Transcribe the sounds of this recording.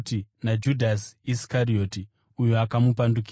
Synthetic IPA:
tinad͡ʒudʱasiskaɾio̞ti | ujoakamupandukː

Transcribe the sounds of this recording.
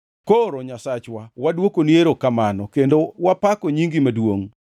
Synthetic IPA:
koɾɔɲasat͡ʃwawadwokonjeɾokamanɔkendowapakɔɲiŋɡimadwoŋ

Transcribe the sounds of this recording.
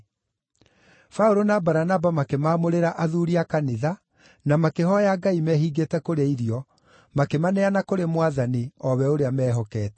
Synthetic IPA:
faoɾonabaɾanabamakemaːmoɾeɾaʔaðuːɾiakaneða | namakeɦɔjaɡaimɛɦiɡetɛkoɾeaiɾiɔ | makemanɛanakoɾemwaðaniɔβɛoɾeamɛːɦɔkɛːtɛ̥

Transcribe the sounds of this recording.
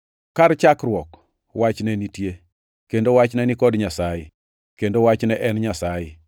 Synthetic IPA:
kaɾt͡ʃakɾwɔk | wat͡ʃnɛnitje | kendowat͡ʃnɛnikɔdɲasajɪ̰ | kendowat͡ʃnɛʔɛnɲasajɪ

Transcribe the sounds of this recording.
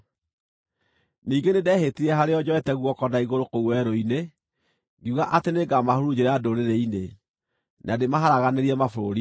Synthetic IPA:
niːɡenedɛhetiɾɛɦaɾeɔd͡ʑɔɛtɛɣwɔkɔdaiɣoɾokouwɛɾoine | ɡiuɣaʔateneɡamahoɾud͡ʒeɾadoɾeɾeine | nʔademaɦaɾaɣaneɾiɛmafoɾoɾi

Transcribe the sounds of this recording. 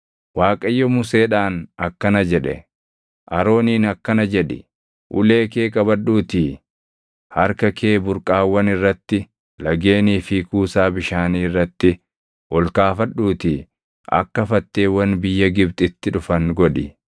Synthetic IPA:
waːkʼɐjːɔmʊse̞ːᶑaːnɐkːɐnɐd͡ʒɛᶑɛ̰ | ʔɐɾo̞ːniːnɐkːɐnɐd͡ʒɛᶑɪ̰ | ʔʊ̰le̞ːke̞ːkʼɐbɐᶑuːt̪i | hɐɾkɐkʰe̞ːbʊɾkʼaːwːɐnɪrːɐt̪ːɪ | lɐɡe̞ːniːfɪːkuːsaːbɪʃaːniːɪrːɐt̪ːɪ | wʔɔlkaːfɐɗːuːt̪ɪ | ʔɐ̰kːɐfɐt̪ːe̞ːwɐnbɪjːɐɡɪbt̪ʼɪt̪ːɪᶑʊfɐnɡɔᶑɪ

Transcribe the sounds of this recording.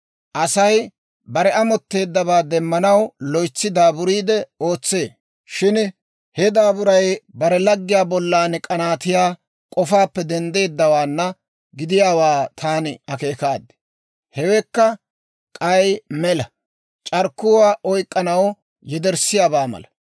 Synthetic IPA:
ʔɐsɐj | bɐɾɛʔɐmɔt̪ːe̞ːd̪ːɐβaːd̪ɛmːɐnɐwlɔjt͡sːɪd̪aːbʊɾiːd̪ɛo̞ːt͡sːeː | ʃɪn | hɛd̪aːbʊɾɐjbɐɾɛlɐɡːɪjaːbɔlːaːnɪkʼɐnaːt̪ɪjaː | kʼɔfaːpːɛd̪ɛnd̪e̞ːd̪ːɐwaːnːɐ | ɡɪd̪ɪjaːwaːt̪ʰaːnɪɐke̞ːkaːd̪ːɛ̥ | hɛwɛkːɐ | kʼɐjmɛlɐ | t͡ʃʼɐɾkːʊwaːʔɔjkʼːɐnɐw | jɛd̪ɛɾsɪjaːbaːmɐ̰lɐ

